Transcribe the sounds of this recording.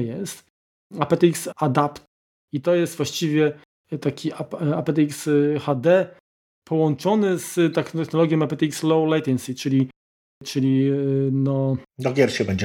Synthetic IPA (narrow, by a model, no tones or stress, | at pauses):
jɛst̪ | apɛt̪iksad̪apt̪̚ | it̪ɔjɛst̪vwaɕt͡ɕivʲjɛ | t̪akʲʰiapapɛt̪ɛiksxad̪ɛ | pʰɔwɔnt͡ʂɔnɘst̪ɛxɛxnɔlɔɡʲjɔ̃mapɛt̪ɛikslɔwlajt̪ɛnsʲit͡ʂɘlʲi | t͡ʂɘlʲinɔd̪ɔɡʲjɛɾɕɛbɛɲd͡ʑɛ